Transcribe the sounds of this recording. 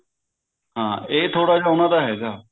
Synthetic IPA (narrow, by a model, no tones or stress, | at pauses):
ɦãːeːt̪ʰoːɽaːd͡ʒaːʊnãːd̪aːɦɛːɡaː